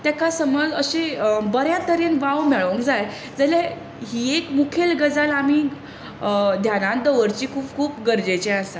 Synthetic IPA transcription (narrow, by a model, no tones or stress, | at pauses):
t̪jakasəməd͡zəɕebəɾjãt̪əɾinʋaʋmɛɭʋəŋkd͡zaj | d͡zəlja | ɦiːekmukʰelɡəd͡zalamiː | d̪ʱjanãnd̪əʋəɾt͡ɕiːkʰuːp̚kʰuːpɡəɾd͡ʑet͡ɕɛ̃asa